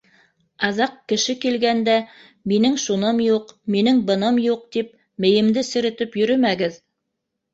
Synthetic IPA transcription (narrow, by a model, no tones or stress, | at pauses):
ɑðɑqkɘ̆ʃɘkilɡænd̪æ | minɘŋʃunɤmjuqminɘŋbɤ̆nɤmjuq̚t̪ip̚ | mɘ̆jɘ̆md̪ɘsɘ̆ɾɘ̆t̪ɘpjɵ̆ɾɵmæɡɘð